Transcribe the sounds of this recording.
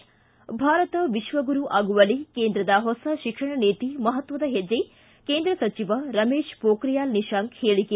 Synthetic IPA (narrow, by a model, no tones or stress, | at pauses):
bʱaːɾɐt̪ɐʋiʃʋɐɡuɾuʔaːɡuʋɐlikeːnd̪ɾɐd̪ɐɦɔsɐʃikʂɐɳɐneːt̪imɐɦɐt̪ʋɐd̪ɐɦed͡ʒe | keːnd̪ɾɐsɐt͡ʃiʋɐɾɐmeːʃpoːkɾijaːlniʃaːŋɡheːɭike